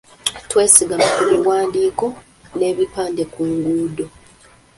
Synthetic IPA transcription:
twe̞ːsiɡamakuβiwaːndiːko̞ | ne̞ːβipaːnde̞kuːŋɡuːdo

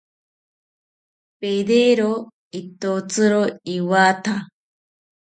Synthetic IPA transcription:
pedeɾo | it̪ot͡sɨɾoiwaːt̪ʰa

